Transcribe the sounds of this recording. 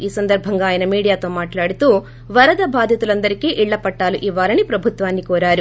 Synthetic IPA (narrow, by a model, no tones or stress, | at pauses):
iːsɐnd̪ɐɾbʱɐŋɡaːjɐnɐmiːɽijaːt̪o̞ːmaːʈlaːɽut̪uː | ʋɐɾɐd̪ɐbʱaːd̪ʱjɐt̪ulɐnd̪ɐɾikiʔiɭːɐpɐʈːaːluʔiʋːaːlɐnipɾɐbʱut̪ʋaːnːikɔːɾaːɾu